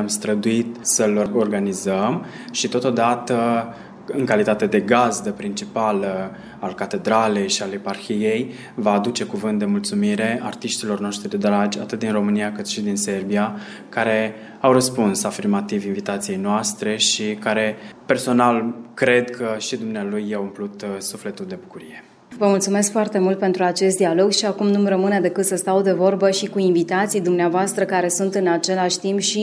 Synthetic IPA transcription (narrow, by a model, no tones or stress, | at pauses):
amst̪ɾəd̪uit̪səloo̞rɡanizəm | ʃit̪o̞t̪o̞d̪at̪ə | ɨŋkalit̪at̪e̞d̪e̞ɡazd̪əpɾint͡ʃipalə | alkat̪e̞d̪ɾale̞jʃialeparxije̞j | vaːd̪ut͡ʃe̞kuvɨnt̪̚d̪e̞mult̪sumiɾe̞art̪iʃt̪ilo̞rnoʃt̪ɾid̪ed̪ɾad͡ʒʲa̰t̪ɨt̪̚d̪inro̞mɨniakɨt̪ʃid̪inse̞rbia | kaɾe̞ | awrəspunsafirmat̪ivinvit̪at̪sije̞jnoast̪ɾe̞ʃikaɾe̞pe̞rso̞nalkɾe̞d̪kʰəʃid̪umnealujːewɨmplut̪sufle̞t̪uld̪e̞bukuɾije̞ | vəmult̪sume̞skfoart̪e̞mult̪̚pe̞nt̪ɾuat͡ʃe̞st̪̚d̪ialo̞ɡʃiakumnumrəmɨned̪e̞kɨt̪səst̪awd̪e̞vo̞rbəʃikuinvit̪at̪sijd̪umneavoast̪ɾəkaɾe̞sunt̪ɨnat͡ʃe̞laʃʲt̪impʃi